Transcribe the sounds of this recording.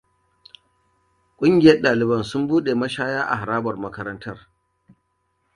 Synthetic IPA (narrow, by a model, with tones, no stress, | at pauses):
kʷʼʊ˦ŋɡʲɪ˨jɐ˦rɗaː˨lɪ˨bɐ˦nsʊ˦mbuː˦ɗeː˨mɐ˦ʃaː˦jaː˦ʔa̰˨ɦa˨ɾaː˦bɐ˨rmɐ˦kɐ˦ɾɐ˦ntɐ˦r